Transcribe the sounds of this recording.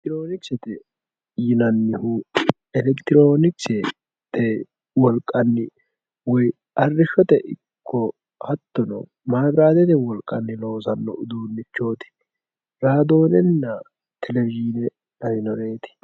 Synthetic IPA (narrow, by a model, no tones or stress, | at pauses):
t̪ɪɾoːnɪksɛt̪ɛ | jɪnɐnːɪhu | ɛlɛkt̪ɪɾo̞ːnɪksɛ | t̪ːɛ | wɔlkʼːɐnːɪ | wɔj | ɐrːɪʃːɔt̪ɛʔɪkkʰːɔ | hɐt̪ːɔnɔ̰ | maːbɾaːd̪ɛt̪ɛwɔlkʼːɐnːɪlo̞ːsɐnːɔʔʊd̪uːnːɪt͡ʃːo̞ːt̪ɪ̥ | ɾaːd̪o̞ːnɛnːɐ | t̪ʰɛlɛvɪd͡ʒɪnɛ | ɐɾɪnɔɾeːt̪ɪ̥